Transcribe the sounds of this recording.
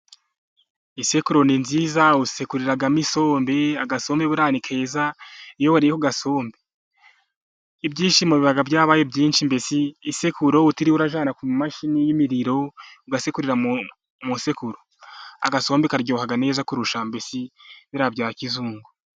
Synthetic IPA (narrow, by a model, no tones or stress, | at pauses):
ise̞kuɾo̞ninziːzausekuɾiɾaɡamiso̞ːmbe̞aɡaso̞ːmbeβuɾaːnikʰe̞ːzaijoβoɾijekuɡaso̞ːmbe | ibɟiːʃimuβiβaɡabjaːβajebɟiːnʃimbe̞siːsekuɾo̞utiɾiwuɾaʒaːnakumaʃinijimiɾiɾo̞uɡasekuɾiɾa | muse̞kuɾo | a̰ɡaso̞ːmbekaɾɟoːhaɡane̞ːzakuɾuʃambe̞siβiɾabjaːɾakizuːŋɡo